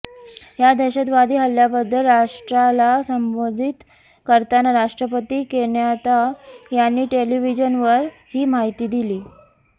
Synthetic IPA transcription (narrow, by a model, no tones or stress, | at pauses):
ɦjad̪əɕət̪ʋad̪ʱiːɦəljabəd̪ʱːəlɾaʂʈɾalasəmbod̪ʱit̪ | kəɾt̪anaɾaʂʈɾəpət̪iːkeɳjat̪ajanːiːʈeliʋid͡ʑənʋəɾ | hiːmaɦit̪iːd̪iliː